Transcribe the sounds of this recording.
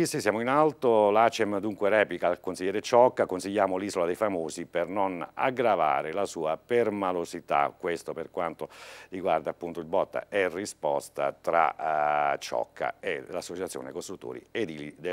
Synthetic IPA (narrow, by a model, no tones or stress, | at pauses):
isisːjaːmoinalt̪olat͡ʃɛmd̪uŋkweɾɛːplikalkonsiʎːɛːɾet͡ʃɔkːakonsiʎːaːmoliːzolad̪ejfamoːszipernona̰ɡɾava̰ːɾelasuːapermalosit̪a̰kwest̪operkwant̪oriɡward̪apːunt̪oilbɔt̪ːa̰ɛrːispɔst̪a̰t̪ɾa̰ | t͡ʃːɔ̰kʰːa̰ḛlasːot͡ʃat̪sːjo̰ːnekost̪ɾut̪ːo̰ːɾḭed̪iid̪